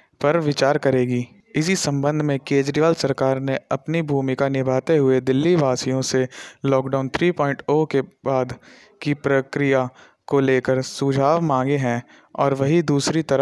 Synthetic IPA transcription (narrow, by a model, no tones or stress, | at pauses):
pɐɾʋɪt͡ʃaːɾkɐɾeːɡiː | ɪs̬isɐ̃mbə̃nd̪ʱmẽkeːd͡ʒɾiʋaːlsɐɾkaːɾneɐpnibʱuːmɪkanɪbʱaːt̪eɦʊed̪ɪlːiʋaːsijõselɔːkɖaːʊnt̪ʰɾiːpɔːɪɳʈokebaːd̪ | kipɾəkɾɪja | koleːkəɾsud͡ʒʱaːʋmãːŋɡeɦɛ̃ | ɔːɾʋɐɦid̪uːsɾit̪ɐɾə